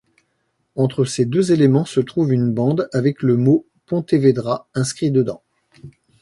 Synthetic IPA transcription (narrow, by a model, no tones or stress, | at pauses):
ɑ̃t̪χəsed̪øzelemɑ̃sət̪χuvynbɑ̃d̪avɛkləmo | pɔ̃t̪eved̪ʁaɛ̃skχid̪əd̪ɑ̃